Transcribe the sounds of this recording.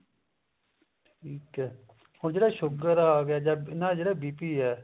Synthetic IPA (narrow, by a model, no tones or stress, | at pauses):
ʈʰiːkɛː | hoːɾd͡ʒeːɽaːʃʊɡəɾaaːɡɪjaːd͡ʒaːbɪnãːd͡ʒeːɽɛːbiːpiːɛː